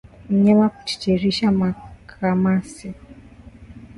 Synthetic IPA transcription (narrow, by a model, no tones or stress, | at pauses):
ɲɛmaku̥t͡ʃi̥t͡ʃɛɾiʃamakʰamasi